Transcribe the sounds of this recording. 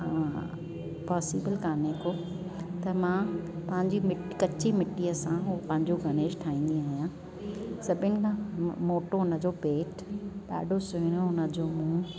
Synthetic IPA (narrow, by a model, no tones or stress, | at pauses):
ɦã | pɔːsiːbəlkaːnekoː | t̪ɐmãːpɐ̃ɦɪ̃ɲd͡ʑimɪʈkɐt͡ɕimɪʈːiɐsãɦupɐ̃ɦɪ̃ɲd͡ʑoɡʱɐñeːʃʈʰaːĩːnd̪iaːɦijãː | sɐbʱɪnɪ̆kʰãmoːʈoɦʊnəd͡ʑoːpeːʈ | ɗa̰ːɖʱosʊɦɪñoɦʊnə̆d͡ʑoːmũː